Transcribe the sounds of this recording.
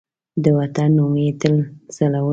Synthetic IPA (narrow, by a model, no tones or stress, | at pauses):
d̪əwat̪anːomet̪əlsalawə